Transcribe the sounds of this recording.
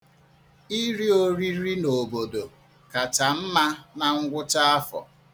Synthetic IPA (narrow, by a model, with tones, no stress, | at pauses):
i˦ɾi˦o˦ɾi˦ɾi˦no˨bo˨do˨ | ka˨ta˨m̩˦ma˦na˨ŋ̩˦ɡʷʊ˦ta˦a˦fɔ̰˨